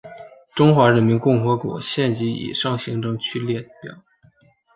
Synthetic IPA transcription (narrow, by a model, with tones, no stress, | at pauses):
ʈ͡ʂʊ˥ŋxwa˧˥ɻə˧˥nmi˧˥nkʊ˥˩ŋxɤ˧˥kwɔ̰˨˩ɕjɛ˥˩nt͡ɕi˧˥ḭ˨˩ʂɑ˥˩ŋɕi˧˥ŋʈ͡ʂɤ˥˧ŋt͡ɕʰy˥˧ljɛ˥˩pjɑ̰˨˩˦ʊ